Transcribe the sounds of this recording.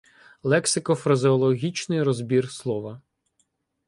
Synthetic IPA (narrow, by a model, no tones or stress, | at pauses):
lˠɛksɪkɔfɾɐzɪɔlˠɔɦʲit͡ʃnɪjɾɔzbʲirslˠɔʋɐ